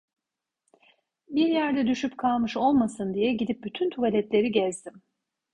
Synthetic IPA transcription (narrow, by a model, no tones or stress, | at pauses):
biɾjæɾd̪ɛd̪yʃypkʰalˠmɯʃo̞lˠmasɯnd̪ijɛɟid̪ip̚byt̪ʰynt̪ʰuvalʲɛt̪lʲe̞ɾiɟɛzd̪im